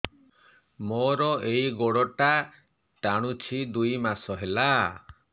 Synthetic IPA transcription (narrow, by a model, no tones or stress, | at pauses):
moɾɔejɡoɽɔʈa | ʈaɽ̃ut͡ʃʰid̪ujmasɔɦela